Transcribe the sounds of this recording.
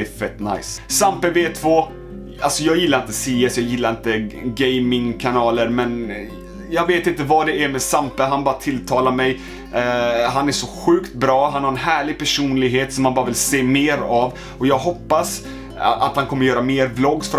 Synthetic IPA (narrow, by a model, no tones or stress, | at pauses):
ɛfɛt̪ːna̰jssampəveːt̪ʰvoː | alsɔjɑːɡjɪlːaɾɪnt̪əsiːɛsjɑːɡjɪlːaɾɪnt̪əɡɛjmɪŋkʰanɑːləɾmɛn | jɑːɡveːt̪ɪnt̪əvad̪ɛæɾmɛsampəɦanbɑːɾat̪ʰɪlːt̪ʰɑːlaɾmɛj | ɦanæʂɔɧʉ̟ːkt̪̚bɾɑːɦanhaɾɛnɦæːɭɪɡ̚pʰæʂuːnlɪɡɦeːt̪sɔmːanbɑːɾavɪlseːmeːɾav | ɔjɑːɡɦɔpːas | a̰t̪hankʰɔmːəɾjœːɾameːɾblɔɡsfœɾ